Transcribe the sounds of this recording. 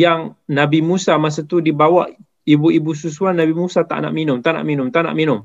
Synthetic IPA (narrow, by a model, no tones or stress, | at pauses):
jaŋnabimusamas̬at̪udibawaʔ | ibuibus̬us̬uanabimusat̪a̰ʔna̰ʔminʊmt̪aʔna̰ʔminʊmt̪aʔna̰ʔminʊm